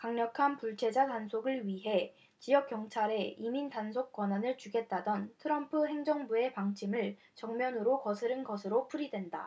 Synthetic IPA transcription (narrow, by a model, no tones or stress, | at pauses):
kaŋɲʌkʰanpuɭt͡ɕʰe̞d͡ʑatansʰoɡɯɭɥiɦe̞ | t͡ɕijʌk͈̚jʌŋt͡ɕʰaɾe̞imindansʰok̚k͈wananɯɭt͡ɕuɡe̞t̚t͈adʌntʰɯɾʌmpʰɯɦe̞ŋd͡ʑʌŋbue̞paŋt͡ɕʰimɯɭ | t͡ɕʌŋmjʌnɯɾokʌsʰɯɾɯnɡʌsʰɯɾopʰuɾidwe̞nda̰